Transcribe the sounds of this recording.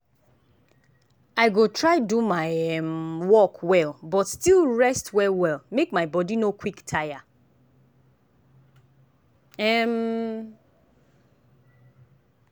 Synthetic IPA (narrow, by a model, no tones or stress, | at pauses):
aɪɡotɹaɪdumaɪɛmwɔkwɛlbɔtstilɹɛstwɛwɛlˠmekmaɪbɔdinokwiktʰaja | ɛm